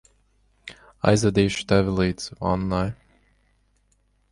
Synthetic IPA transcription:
a̰jzvɛd̪iːʃu̥t̪ævʲilˠiːd̪zva̰nːaj

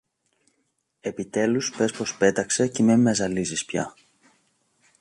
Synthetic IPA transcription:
e̞pit̪e̞luspe̞spo̞spe̞t̪ɐkse̞cimemːezɐlizispçɐ̰

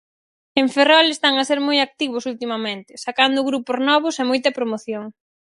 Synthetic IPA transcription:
eɱferɔlest̪aŋɐseɾmojak̚t̪iβ̞ʊsult̪imɐmẽnt̪ɪsakand̪ʊɣɾupʊznɔβ̞ʊsemɔjt̪ɐpɾomoθjoŋ

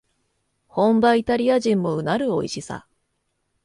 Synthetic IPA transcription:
hõ̞mbait̪aɾʲiaʑĩmːo̞ɯ̟naɾɯ̟o̞iɕisa̰

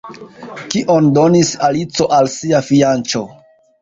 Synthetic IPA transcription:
kiʔo̞ndo̞nisalit͡so̞ʔalsiafiant͡ʃo̞

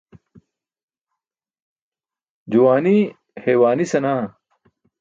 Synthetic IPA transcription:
d͡ʑuwaːni | heːwaːnisɐnaː

